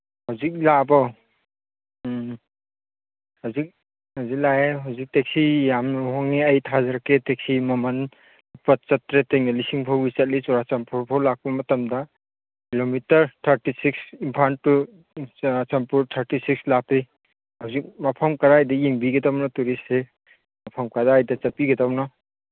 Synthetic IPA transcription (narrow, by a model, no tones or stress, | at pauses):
hawzik̚labɔ | hawzik̚ | hawzik̚laeɦawzik̚tek̚sijamɦɔŋiɐjtʰazaɾketek̚simɐman | ipɐt̚t͡ʃɐtɾeteŋnalisiŋpʰawbisɐt̚lit͡ʃɔɾat͡ʃampʰuɾpʰɔwlak̚pɐmɐtɐmda | kilomitɐɾtʰɐɾtisiksimpʰanu | ɾat͡ʃampuɾtʰɐɾtisikslapi | hawzik̚mapʰɐmkɐɾaːjdɐjeŋbiɡedawnɔtuɾise | mapʰɐmkadaːjdɐt͡ʃɐpiɡedawnɔ